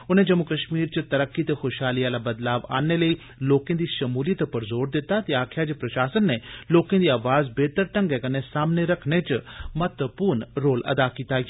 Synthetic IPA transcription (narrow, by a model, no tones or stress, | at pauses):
ʊnẽːd͡ʒɐmʊkəʃmiːɾt͡ʃət̪ɐɾəkːit̪exoːʃɦaːliaːlabəd̪laːʋa̰ːneləiː | loːkẽːd̪iːʃɐmuːlijət̪pɐɾzoːɾd̪ɪt̪ːat̪eaːkʰjad͡ʒeːpɾɐʃaːsənːeloːkẽd̪iːaːʋaːzbeːt̪əɾʈə̃ŋɡɛkɐnesaːmneɾɐkʰnet͡ʃmət̪əpuːɾnɾoːlɐ̰d̪akiːt̪a